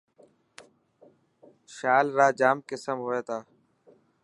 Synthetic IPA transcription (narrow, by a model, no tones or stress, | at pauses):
ʃaːlɾaːd͡ʒaːmkɪsəmɦoːeːt̪ʰaː